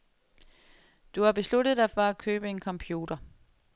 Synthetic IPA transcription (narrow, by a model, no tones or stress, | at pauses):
d̥uhɑ̈b̥e̝slud̥əð̩ˠd̥ɑ̈ɪfɒ̽æ̥kʰø̰ːb̥əe̝nkʰɒ̽mpʰjuːdɐ